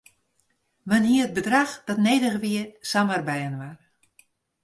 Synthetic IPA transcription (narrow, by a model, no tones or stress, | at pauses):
ʋənɦiəəd̚bədraxd̥ɔtneːdəɣəʋiəsamərbɛjənʋar